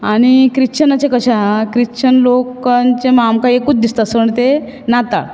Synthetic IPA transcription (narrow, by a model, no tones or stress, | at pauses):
aɽ̃ikɾit͡ɕənat͡ɕekəɕakɾit͡ɕənlokãnt͡ɕemamkaekuːt͡sd̪ist̪asəəɳt̪enat̪a̰ɭ